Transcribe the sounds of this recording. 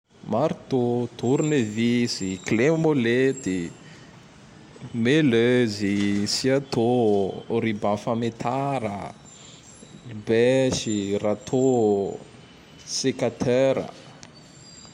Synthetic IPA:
maɾit̪ot̪uɾnevisiklemolet̪i | meløzisiat̪ooɾibafamet̪ʰaɾə̰ | libɛʃirat̪ʰo | sekat̪ʰɛɾə̰

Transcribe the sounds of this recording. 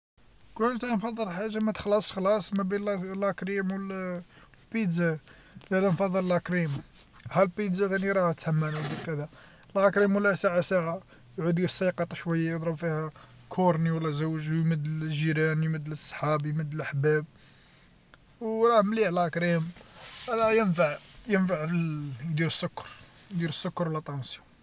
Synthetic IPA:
kunt̪ænfɑd̪ˤːəlħaʒːamæt̪əxlɑsˤxlɑsˤmæbinlækɾimwl | lpid̪zæ | d̪ælænfɑðˤːəllækɾim | hælpid̪zæt̪æniɾˤɑht̪hmːənwlb̪ikæd̪æ | lʕækɾimwəlːæsaʕasaʕa | jʕud̪ɡæsːˤɑqɑt̪ˤɑʃwæjːajəd̪ˤɾˤəbfihæ | kʰʊɾniwəlːæzəwʒjməd̪ːlʒiɾænjməd̪ːlsˤːħɑbjməd̪ːəlʔaħbæb̚ | wɾˤɑhmlihlækɾimɾɑjənfaʕjənfaʕfjd̪iɾəsːʊkːɑ̥ɾˤ | jd̪iɾəsːʊkːɑɾwlːæt̪ˤːɑnsi

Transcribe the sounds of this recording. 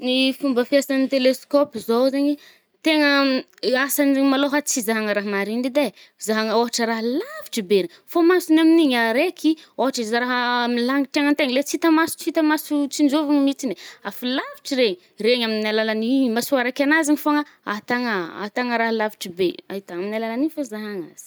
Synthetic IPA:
nifumbəfiasanit̪eleskopizowzaɲi | t̪eŋə | asanmaloɦat͡sizaɦaŋəɾaɦmaɾind̪id̪a | zaɦaŋəoɦaʈ͡ʂəɾaɦəlaviʈ͡ʂibeni | fomasunaminiɲaɾekʰioɦaʈ͡ʂizɾaɦəmilaŋiʈ͡ʂeŋənt̪eŋəlet͡sit̪əmasu̥t͡sit̪əmasut͡sind͡ʒovuŋimit͡sineafilaviʈ͡ʂiɾeɲi | reɲaminalalanimasuaɾekʲanaziɲifoŋəat̪aŋəa̰t̪aŋəɾaɦlavi̥ʈ͡ʂibea̰ɦit̪aminalalanifozaɦaŋaz̥i̥

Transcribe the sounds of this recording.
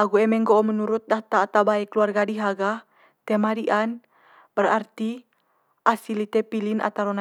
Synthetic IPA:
aɡuɛmɛŋɡoʔɔmənuɾut̪̚daht̪aːt̪abaɛkəluarɡadiɦaɡa | t̪ɛmadiʔan | b̥ərart̪i | ʔasilit̪ɛpilina̰t̪aɾona

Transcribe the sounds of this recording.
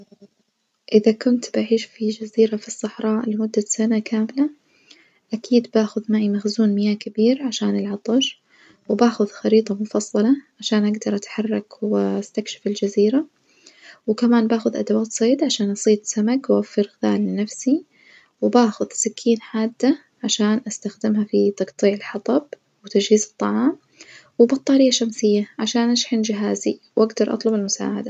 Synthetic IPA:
ʔɪðakʊnt̪baʕiːʃfid͡ʒaziːɾafisˤːɑħɾˤɑːʔlɪmʊd̪ːasanakʰaːmɪla | ʔakʰiːd̪baːxʊðmaːʔimaxzuːnmɪjaːkɪbiːɾʕaʃaːnʔɪlʕɑt̪ˤɑʃ | wɪbaːxʊðxɑɾiːt̪ˤɑmʊfɑsˤːɑlɑʕaʃaːnʔaɡd̪ɑɾˤʔat̪ħɑrˤːɑkwɪast̪akʃɪ̥fɪld͡ʒaziːɾa | wɪkamaːnbaːxʊðʔa̰d̪awaːt̪sˤeːd̪ʕaʃaːnʔɑsˤiːt̪samakwwafːɪɾɣɪða̰ːlːɪnafsi | wɪbaːxʊðsɪkʰːiːnħaːd̪ːa | ʕaʃaːnʔast̪axd̪ɪmɦafit̪ɑɡt̪ˤiːʕɪlħɑt̪ˤɑb̚ | wɪt̪ad͡ʒhiːzɨt̪ˤːɑʕɑːm | wɪbɑt̪ˤːɑːɾɪjːaʃamsɪjːaʕaʃaːnʔaʃħɪnd͡ʒɪɦaːziwʔaɡd̪ɑɾˤʔɑ̰t̪ˤlʊbɪlmʊsa̰ːʕad̪a

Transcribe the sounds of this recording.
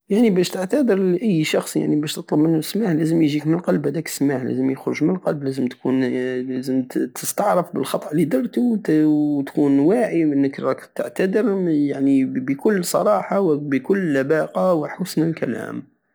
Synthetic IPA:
jaʕnibæʃt̪əʕt̪æd̪əɾʔæjːʃɑxsˤja̰ʕnibæʃt̪ət̪ˤlɑbmənːusmaħlæzəmjʒikmənəlqɑlbhæd̪æksmaħlæ̰zəmjəxɾʊʒmənlqɑlblæzəmt̪kunlæzəmt̪ʰəst̪ɑʕɾˤəfbəlxɑt̪ˤʔlid̪ɑrˤt̪ut̪kunwaʕiʔənːəkɾˤɑkt̪əʕt̪æd̪əɾjaʕnibəkʊlːsˤɑ̰ɾˤɑħɑwbəkʊlːæbɑqɑwħʊsnəlkæ̰læ̰m

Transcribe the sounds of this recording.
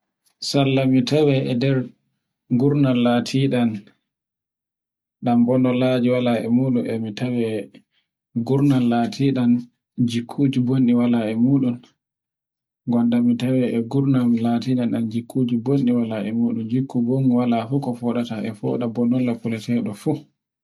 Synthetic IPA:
salːamitawɛɛ̰dɛɾ | ɡuɾnalːatʰiɗan | ɗambɔndɔlad͡ʒiwalaɛ̰muːɗunʔɛmitawɛ | ɡuɾnanlatʰiːɗan | d͡ʒikʰːuːd͡ʒubonɗiwalaɛmuːɗun | ɡɔnɗamitawɛʔɛɡuɾnamlatiːɗanɗand͡ʒikʰːud͡ʒubonɗiwalaɛmuːɗund͡ʒikːubonwalafukɔfɔɗataɛfɔ̰ːɗabɔndɔlːapulɛtɛɗɔfu

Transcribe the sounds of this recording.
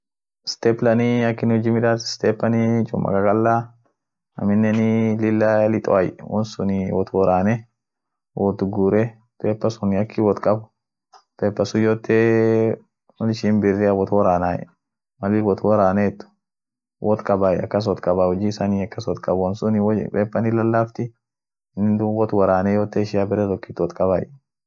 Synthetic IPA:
st̪eplɐniɐkːɪnhʊd͡ʒimɪᶑat̪ɪst̪eːpːɐnit͡ʃʼʊ̰mʔɐ̰kʼɐkʼɐlːaː | ɐ̰mɪnːɛnɪlɪlːɐlɪt̪ʼɔ̰ɐjwɔnsʊnɪwɔt̪wɔɾaːnɛ | wɔt̪ʊɡuːɾɛ | t̪ʼeːpːɐsʊnɪɐkʰːɪwɔt̪kʼɐbʊ | t̪ʼeːpːɐsʊjoːt̪ːe | wɔnɪʃinbɪrːɛɐwɔt̪wɔɾaːnaːjɛ̰ | mɐlɪwɔt̪wɔɾaːneɛt̪ːʊ̥ | wʔɔt̪kʼɐbaːjɐ̰kːɐs̬ɔt̪kʼɐbaːwɔd͡ʒiːsɐniːɐkːɐswɔt̪kʼɐbwɔnsʊnɪwpʼeːpːɐnɪlɐlːaːft̪ɪ | nːɪd̪ʊwɔt̪wɐɾaːnɛjoːt̪ːeːʃɪjabɪɾɛt̪ɔkːit̪ːwɔt̪kʼɐba̰ːj

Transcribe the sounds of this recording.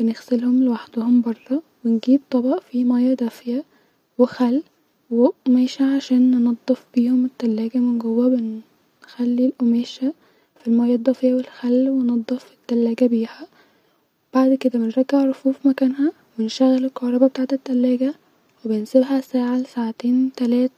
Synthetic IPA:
b̥enexselhomlewaħd̪ohombɑrˤːɑ | wenɡiːb̚t̪ˤːɑbɑʔfimæjːæd̪ˤɑfjæ | wexælː | weʔomæːʃæʕaʃæːnːenɑd̪ˤːefbiːhomet̪ːælːæːɡæmenɡowːæben | xælːilʔomæːʃæ | filmæjːɑd̪ˤːɑfejæwelxælːwenɑd̪ˤːɑfe̥t̪ːælːæːɡæbiːhæ | b̥aʕd̪ked̪æbenɾˤɑɡːeʕɾˤofuːfmækæːnɦæ | benʃæɣːælelkɑhɾˤɑbɑbet̪aʕt̪et̪ːælːæːɡæ | webensebɦæsæːʕalsaʕt̪eːnt̪ælæːt̪

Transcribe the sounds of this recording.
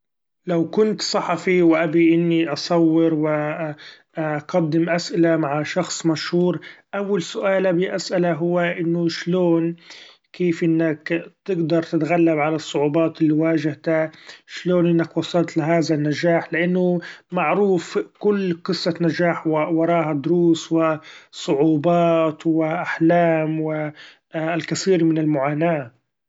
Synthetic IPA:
lawkʊnt̪sˤɑħɑfiwʔabiʔɪnːiʔɑsˤɑwːɪɾwɪ | qɑd̪ːɪmʔasʔɪlamaʕaʃɑxsˤmaʃhuːɾʔawːalsʊʔaːlabiʔasʔalaɦʊwːaʔɪnːʊʃloːn | keːfʔɪnːakt̪ɪɡd̪ɑɾˤt̪ɪt̪ɣalːabʕalasˤːʊʕuːbɑːt̪ɪlːiwaːʒɪht̪aʃloːnʔɪnːakwɑsˤɑlt̪lɪɦaːðanːad͡ʒaːħlɪʔanːʊmaʕɾuːfkʊlːqɨsˤːɑnaʒaːħwɑɾˤɑːɦad̪ʊɾuːswɪsˤʊʕuːbɑːt̪wɪʔaħlaːmwɪ | lkaθiːɾmɪnɪlmʊʕaːnaː

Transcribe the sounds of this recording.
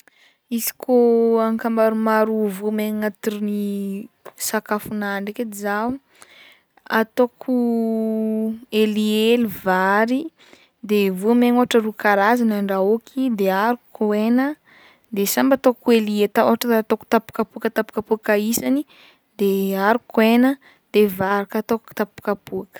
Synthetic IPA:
izi̥koaŋkambaɾumaɾuvumeŋat̪iɾini | sakafunaɳɖ͡ʐekeiza | a̰t̪okʰu | elielivaɾi | d̪evumeŋoɦaʈ͡ʂərukaɾazanaɳɖ͡ʐaokʰid̪eaɾukuenə | d̪esambat̪okueliet̪aoɦaʈ͡ʂət̪oku̥t̪apu̥kapuakət̪apu̥kapuakaisani | d̪eaɾukuenə | d̪̥evaɾakat̪oku̥t̪apu̥kapuakə̥

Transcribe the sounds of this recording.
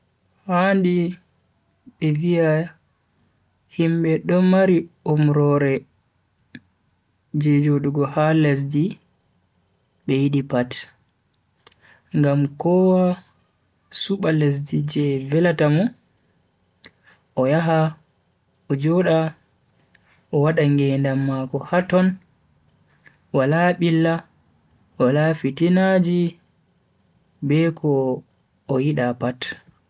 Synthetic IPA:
handi | ɓɛvija | himɓɛɗɔmaɾiomɾɔɾɛ | d͡ʒɛd͡ʒoɗuɡɔhales̬di | ɓɛjiɗipat | ŋɡamkɔwa | suɓales̬did͡ʒɛvɛlatamɔ | ʔɔjaɦa | ɔd͡ʒɔɗa | ʔɔwaɗaŋɡɛndamːakɔhatɔn | walaɓilːa | walafitinad͡ʒi | bɛkʰɔː | jiɗapat

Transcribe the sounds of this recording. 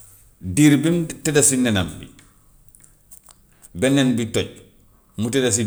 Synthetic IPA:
diɾbimtɛdasinɛnambḭ | bɛnːɛnbitɔɟ | mutɛdas̬i

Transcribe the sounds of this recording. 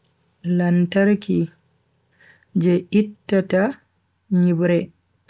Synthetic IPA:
lantaɾki | d͡ʒɛʔitːata | ɲibɾɛ

